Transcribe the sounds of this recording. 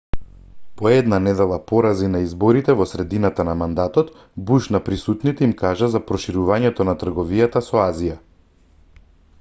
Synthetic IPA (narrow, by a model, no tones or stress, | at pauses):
pɔɛd̪nanɛd̪ɛlˠapɔɾazinaizbɔɾit̪ɛvɔsɾɛd̪inat̪anamand̪at̪ɔt̪ | buʃnapɾisut̪nit̪ɛimkaʒazapɾɔʃiɾuvaɲɛt̪ɔnat̪r̩ɡɔvijat̪asɔazija